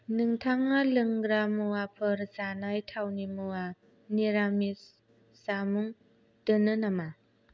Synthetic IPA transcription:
nɯŋtʰaŋalɯŋɡɾamuapʰɯɾzanajtʰawnimua | niɾamisː | amuŋ | dɯnɯnama

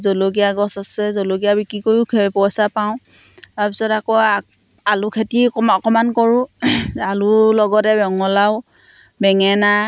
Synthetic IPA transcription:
zolok̬ijaɡɔsasɛzoloɡijabikɹikojukʰpɔsapaʊ̃ | taɹpisɔtakɔ | alʊkʰetikɔɔkɔmankɔɹʊ̃alʊlɔɡɔtɛbɔŋɔlaʊ | bɛŋɛna

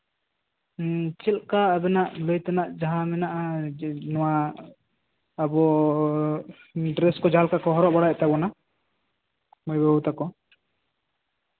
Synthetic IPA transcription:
t͡ʃɛlkaəbɛnaʔləjt̪anaʔd͡ʒaɦãmɛnaʔanɔwa | bɔ | ɖɾɛskɔd͡ʒalkakɔɦɔɾɔʔbaɽaɛt̪abɔna | mɔjbɔut̪akɔ

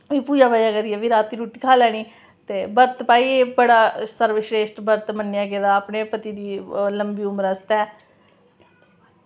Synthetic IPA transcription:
ʋiːpuːd͡ʒaːbad͡ʒaːkəɾiːɛːʋiːɾaːt̪iːɾuːʈiːkʰaːlɛːɽ̃iː | t̪eːbəɾt̪paːiːeːbəɽaːsəɾʋəʃɾeːsʈbəɾt̪mənːjaːked̪aːəpneːpət̪iːd̪iːləmbiːʊmɾəst̪ɛː

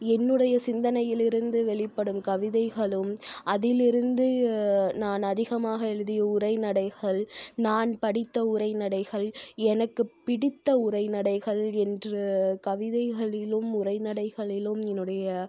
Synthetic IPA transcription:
ɛnːɯɽɐjɐsɪnd̪ɐnɐjɪlɪɾɯnd̪ɯʋɛɭɪpːɐɽɯmkɐʋɪðɐɪɣɐɭɯmʔɐðɪlɪɾɯnd̪ɯnaːnɐðɪɣɐmaːɣɐɛɻɯðɪjɐʊɾɐɪnɐɽɐɪɣɐɭnaːnpɐɽɪt̪ːɐʊɾɐɪnɐɽɐɪɣɐɭɛnɐkːɯppːɪɽɪt̪ːɐʊɾɐɪnɐɽɐɪɣɐɭɛndrɯkɐʋɪðɐɪɣɐɭɪlɯmʊrɐɪnɐɽɐɪɣɐɭɪlɯmɛnːɯɽɐjɐ

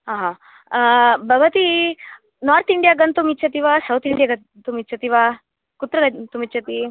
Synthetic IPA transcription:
ɦaːɦa | bʱɐɡɐt̪i | naːɾt̪ʰiɳɖijaːɡɐnt̪umitːt͡ʃʰɐt̪iʋasɐwt̪ʰiɳɖijaɡɐ | t̪umitːt͡ʃʰɐt̪iʋa | kut̪ɾɐɡɐt̪umit͡ʃʰɐt̪i

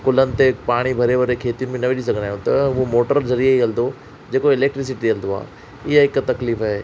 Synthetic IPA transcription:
kʊlənɪ̆t̪epaːɽ̃ibʱɐɾeʋɐɾekʰeːt̪ijunɪmẽnɐʋɪɗis̬ɐɡʱənd̪aːjũt̪ɐʊomoːʈəɾzɐɾiaɦiɣɐld̪o | d͡ʑeːkoɪleːk̚ʈɾɪs̬ɪʈiɐld̪oa̰ː | ɪɦaɪkt̪ɐkliːfaɦeː

